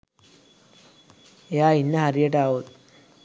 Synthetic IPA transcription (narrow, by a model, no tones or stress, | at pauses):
jainːəɦaɾieʈaɦot̪